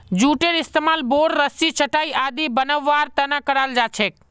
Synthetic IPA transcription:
d͡ʒuːʈeɾɪst̪emaːlboːɽɾəsit͡ʃʰəʈaːiʔaːd̪ibənəʋːaːɾt̪ənãkəɾald͡ʒaːt͡ʃʰek̚

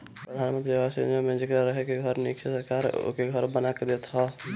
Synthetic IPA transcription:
pɾəd̪ʱaːnmə̃nt̪̬ɾiʋaːsid͡ʒõmẽd͡ʒkəɾəɦekeɡʱəɾnikʃesəɾkaːɾ̰keɡʱəɾbənaked̪eːt̪ɦa

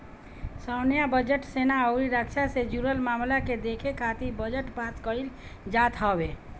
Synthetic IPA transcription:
səwnjabəd͡ʒəʈsenaəʊɾiɾəkʃased͡ʒuɾəlmaːmlaked̪ekʰekʰat̪ibəd͡ʒəʈbat̪kəiɾd͡ʒat̪ɦɔbe

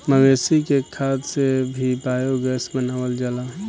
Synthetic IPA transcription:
məɡesikekʰaːt̪sebʱibaːjoɡəsbənawəld͡ʒalaɦɛ̃

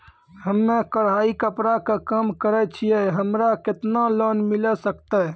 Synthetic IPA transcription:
ɦəmːekəɽ̤aikəpɾakekamkəɾɛt͡ʃʰijɛɦəmɾaket̪nalənmiləsəkt̪ɛ

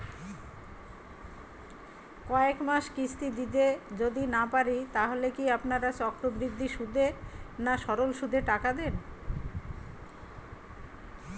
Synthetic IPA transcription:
kɔekmaʃkisʈid̪id̪ed͡ʑod̪inapaɾit̪aɦolekiapnaɾat͡ɕɔkɾobɾiɡd̪ʱːiʃud̪ʱenaʃɔɾolʃud̪ʱeʈakad̪en

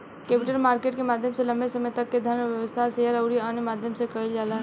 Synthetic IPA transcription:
keːpɪʈəlmaːɾkeːʈkemaːd̪ʱjəmselɐ̃mbʱesɐməjt̪ɐkːed̪ʱɐɾnʋjəʋəst̪ʰaseːɦəɾɐʊɾiaːnmaːd̪ʱjəmsekɐild͡ʒaːlaː

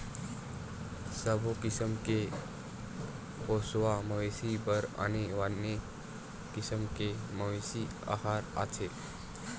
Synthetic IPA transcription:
səbʱokisəmke | posʋaməʋesibəɾa̰ñiʋanːe | kisəmkeməʋesi | a̰haɾa̰t͡sʰe

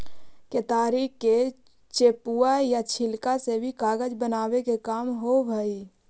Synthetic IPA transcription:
ket̪aːɾikːe | t͡ʃeːpuajat͡ʃʰɪlkasebʱikaːɡəd͡ʒbənaːwekekaːmɦobʱəi

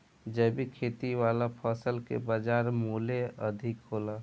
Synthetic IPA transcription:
d͡ʒɛbʱikʰet̪iʋalapʰəsəlkḛbad͡ʒaːɾmoleəd̪ʱɪkɦola

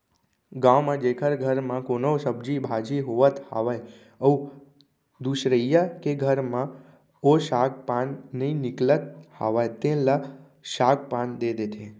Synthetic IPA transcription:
ɡãʋmãd͡ʒekʰəɾɡʱəɾmãkonosəbd͡ʒibʱad͡ʒiɦoʋət̪ha̰ʋaj | əu | d̪uʃɾəjakeɡʱəɾmã | oʃak̚panːəĩnɪklət̪̚ha̰ʋajt̪ẽla | ʃak̚pãnd̪ed̪et̪ʰe

